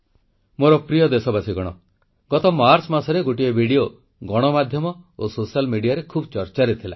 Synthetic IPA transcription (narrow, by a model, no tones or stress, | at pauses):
moɾɔpɾijɔd̪esɔbasiɡɔɽ̃ɔ̰ | ɡɔt̪ɔmaɾsmasɔɾeɡoʈiebʱiɽio | ɡɔɽ̃ɔmad̪ʱjɔmɔososialmiɽijaɾekʰubt͡ʃɔɾt͡ʃaɾet̪ʰila̰